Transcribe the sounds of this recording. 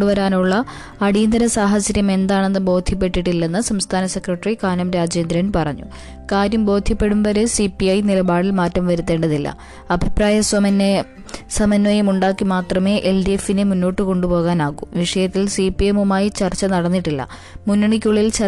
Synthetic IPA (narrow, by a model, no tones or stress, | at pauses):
ɖuʋɐɾaːnuɭːɐː | ɽiːnd̪ɐɾɐsaːɦɐt͡ɕːɐɾjɐme̞nd̪aːɳe̞nːɨbo̞ːd̪ʱjɐp̬ːe̞ʈːiʈːilːenːɨsɐmst̪ʰaːnɐse̞krɐʈːrikaːnɐmɾaːd͡ʑe̞ːnd̪ɾɐnpɐrɐɲːṵ | kaːɾjɐmbo̞ːd̪ʱjɐpːe̞ɽumbɐɾesipːiɐjnilɐbaːɽilmaːtːɐmʋɐɾut̪ːeːɳɖɐðilːɐ̰ | ɐbʱipraːjɐ | sɐmɐnːoːjɐmuɳɖaːkːimaːt̪rɐme̞ːʔelɖiefːinɨmunːo̞ːʈːɨko̞ɳɖupo̞ːɣaːnaːɣuʋiʂɐjɐt̪ːilsipːiemumaːjit͡ɕɐrt͡ɕːɐnɐɽɐnːiʈːilːɐ̰ | munːɐɳikʲːuɭːilt͡ɕɐ